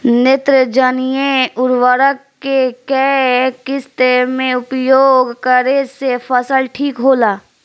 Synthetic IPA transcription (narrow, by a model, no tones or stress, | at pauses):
nɪt̪ɾəd͡ʒanijeʊɾwəɾəkːekɛkɪst̪emẽʊpjoːɡkəɾesepʰəsəlʈʰiːkɦoːlaː